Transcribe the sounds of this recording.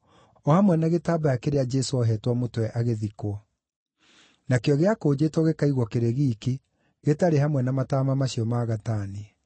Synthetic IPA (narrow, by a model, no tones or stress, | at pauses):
ɔhamwɛnaɣetabajakeɾead͡ʒɛsoɔɦɛtwɔmotwɛʔaɣeðikwɔ | nakeɔɣeakoːd͡ʑetwɔɣekaiɣwɔkeɾeɣiːki | ɣetaɾeɦamwɛnamataːmamaɕiɔmaɣataːni